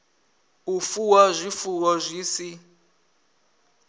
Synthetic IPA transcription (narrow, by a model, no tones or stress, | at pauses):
ufuwazʷifuwɔzʷiːsi